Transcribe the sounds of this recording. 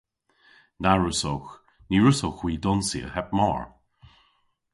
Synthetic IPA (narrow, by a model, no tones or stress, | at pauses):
naɹʉso̰wx | niɹʉsowxwiːdɔnsḭə̰hɛp̚mɔ̰ːɹ